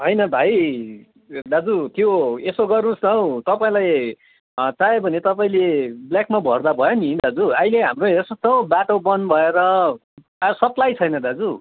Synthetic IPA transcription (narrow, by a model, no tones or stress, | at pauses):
ɦʌjnʌbʱaj | d̪ad͡zut̪joesoɡʌrnusnʌwt̪ʌpaĩlaj | t͡saebʱʌnet̪ʌpaĩlebljakmabʱʌrd̪abʱʌjonid̪ad͡zuaileɦamroesʌt̪ʌwbaʈobʌnbʱʌeɾʌ | asʌplajt͡sʰʌjnʌd̪ad͡zu